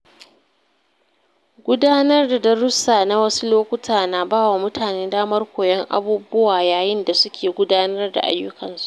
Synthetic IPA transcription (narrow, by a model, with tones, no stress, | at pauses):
ɡʷʊ˦daː˦nɐ˦rda˨dɐ˦ɾʊ˦saː˨na˦wɐ˦su˦loː˦kʷʊ˦tʰaː˨na˨baː˦wa˨mʊ˦tʰaː˨neː˦daː˦mɐ˦rkʷoː˨jɛ˦ŋʔa̰˦buː˦bʊ˦waː˨jaː˨jɪ˦nda˨sʊ˦kʲʰeː˨ɡʷʊ˦daː˦nɐ˦rda̰˨ʔa̰˦jːʊ˦kɐ˨nsu̥˦˨ʔ